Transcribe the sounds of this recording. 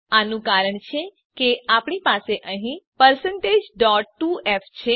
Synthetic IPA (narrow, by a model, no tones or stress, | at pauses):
anũkaɾəɳt͡ʃʰe | keapɳipaseʔəɦĩpəɾsəɳʈed͡ʒɖɔʈːueft͡ʃʰe